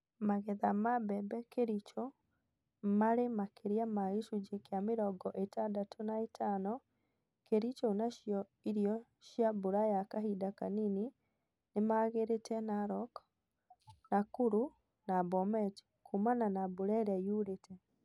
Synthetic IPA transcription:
maɣɛðamabɛbɛkeɾit͡ʃɔ | maɾemakeɾiamaiʃud͡ʒekeameɾɔɡɔʔetadatʰonaetʰanɔ | keɾit͡ʃɔnaʃjɔ | iɾiɔ | ʃiaboɾajakaɦidakanini | nemaɣeɾetɛnaɾɔk | nakuɾu | nabɔmɛt | kʰumananaboɾɛɾɛjuɾetɛ

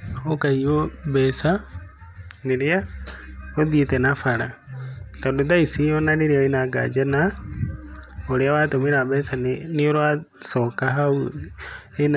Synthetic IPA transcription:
okaiobɛsa | niɾja | oðietɛnafalatadud̪aisionaniɾjainaɡa̰d͡ʒena | oɾiaβatomiɾabɛsanniɾa | sokaɦau | en

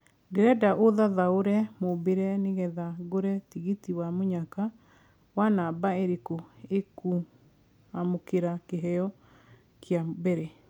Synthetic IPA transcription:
ɡɾɛdaʔoðaðaoɾɛmobeɾɛneɣɛðaɣoɾɛtiɣitiwamoɲaka | wanabaeɾikoeku | amokeɾakeɦɛjɔ | kʰjabɛɾɛ

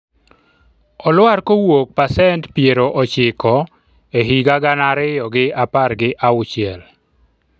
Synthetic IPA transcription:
ɔlwarkowok̚pasɛntpjeɾoʔɔt͡ʃɪkɔ | eɦiɡaɡanaɾɪjɔɡɪapaɾɡɪʔaʊt͡ʃɪɛl

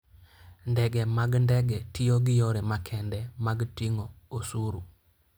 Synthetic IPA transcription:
ndɛɡɛmaɡndɛɡɛtɪjoɡɪjoɾɛmakʰɛndɛmaɡtiŋoosuɾṵ

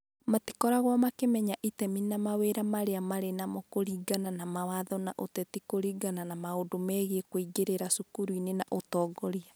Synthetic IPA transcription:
mati̥kɔɾaɣwamakemɛɲaʔitɛminamaweɾamaɾeamaɾenamɔkoɾiːɡananamawaðɔnaʔotɛtikoɾiɡananamaodomɛːɣeekwiɡeɾeɾasukuɾuinenaʔotɔːɡɔɾia

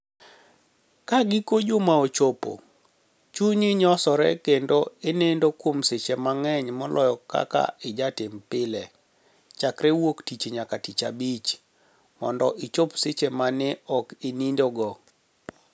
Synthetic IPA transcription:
kaɡɪkod͡ʒomaot͡ʃopo̰ | t͡ʃuɲiɲɔsɔɾɛ̰kendoenendokwomset͡ʃemaŋɛɲmɔlʔɔjɔka̰ka̰ɪd͡ʒatɪmpɪlɛ | t͡ʃakɾɛwoktit͡ʃeɲakatit͡ʃa̰bit͡ʃ | mɔ̰ndɔʔɪt͡ʃopset͡ʃemanɛɔkɪnindoɡɔ

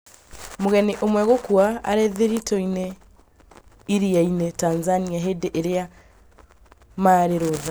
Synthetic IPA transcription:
moɣɛneʔomwɛɣokuaa̰ɾeðeɾitɔine | iɾiainetaːnzaniaɦedeʔeɾea | maɾeɾoːða

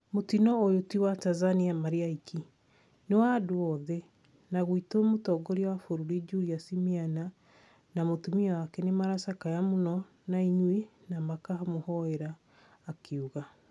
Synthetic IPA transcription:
motinɔojotiwatazaniamaɾiaikʰi | newadoɔðɛ | naɣwitomotɔɡɔɾiwafoɾuɾid͡ʒuɾiasimiana | namotumiɔwakɛnemaɾasakajamunɔ | naiɲwe | namakahamohɔeɾaː | kʰuɣa

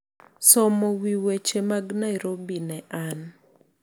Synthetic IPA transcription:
sɔmɔwiwet͡ʃemaɡnaɪɾobinɛʔan

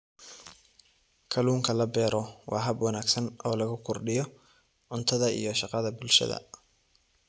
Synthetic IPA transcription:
kʰɐluːŋkʰɐlɐbɛːɾɔwʔɑ̰ːɦɐbwɐnaːɡsɐnʔɔːlɐɣʊkʰʊrɖɪjɔ | ʕʊnt̪ʰɐðɐḭjɞʃɑqɑðɐbʊlʃɐ̰ðɐ̰

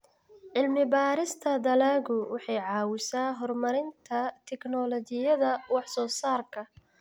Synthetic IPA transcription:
ʕɪlmɪbaːɾɪst̪ʰɐd̪ɐlaːɣʊwɑħɑjʕɑːwɪsaːɦɔrmɐɾɪnt̪ʰɐt̪ʰɛknɔlɔt͡ʃɪjɐðɐwɑħsɔːsaːrkʰɐ

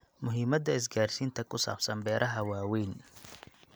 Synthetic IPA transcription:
mʊɦiːmɐd̪ɐɪs̬ɡaːrsiːnt̪ʰɐkʰʊsa̰ːbsɐnbɛːɾʔɐɦɐwaːwɛjn

